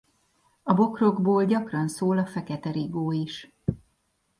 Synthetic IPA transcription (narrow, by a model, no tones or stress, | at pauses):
ɒbo̞kro̞ɡboːlɟɒkrɒnsoːlɒfɛkɛt̪ɛɾiɡoːiʃ